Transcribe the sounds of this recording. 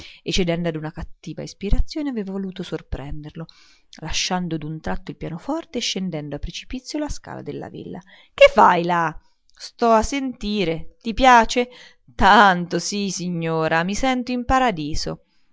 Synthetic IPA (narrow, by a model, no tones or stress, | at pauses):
et͡ʃːed̪ɛnd̪oad̪unakat̪ːiːva̰ispiɾat̪sːjoːneaveːvavoluːt̪osorpɾɛnd̪erlo | laʃːand̪od̪unt̪ɾat̪ːoilpjaːnofɔrt̪eʃːend̪ɛnd̪oapːɾet͡ʃi̥pit̪sːjolaska̰ːla̰d̪elːa̰vḭlːa̰ | kefːajla | st̪ɔasːent̪iːɾet̪ipjaːt͡ʃe | t̪ant̪osisiɲːoːɾamisɛnt̪oimpaɾad̪iːz̥o̰